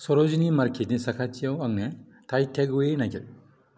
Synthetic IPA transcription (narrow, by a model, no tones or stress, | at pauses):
sɔɾɔzinimaɾkʰetnisakʰat͡ʃijawaŋne | tʰajtʰeɡuenakʰeɾ